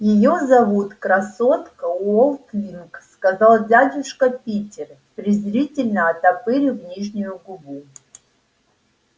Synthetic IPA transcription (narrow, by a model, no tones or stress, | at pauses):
jɪjozɐvut̪krɐsot̪kəuolˠt̪vʲinkskazalˠdʲadʲuʂkɐpʲitʲɪr | pɾʲɪzrʲitʲɪlʲnəːt̪apɨɾʲɪvnʲiʐnʲujuɡubu